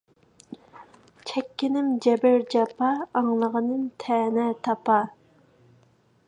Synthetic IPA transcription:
t͡ʃʰɛkʲːɪnɪmd͡ʒɛbɪɾd͡ʒɑpɑːŋlˠəʁənɨmt̪ʰɛːnɛt̪ʰɑpɑ

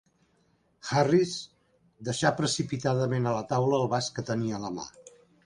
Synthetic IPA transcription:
xariz | d̪əʃapɾəsipit̪aðəmenələt̪awləːlˠβaskət̪əniəːləma̰

